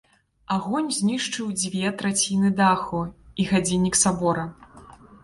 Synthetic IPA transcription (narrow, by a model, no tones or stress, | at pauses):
aɣɔnʲzʲnʲiʂt͡ʂɨwd͡zʲvʲɛt̪ɾat͡sʲinɨd̪axuiɣad͡zʲinʲːiksabɔɾɐ